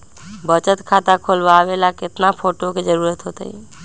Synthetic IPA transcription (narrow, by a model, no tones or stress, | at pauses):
bət͡ʃət̪kʰat̪akʰolbaʋelakɪt̪napʰoʈoked͡ʒəɾuːɾət̪ɦot̪ə̰j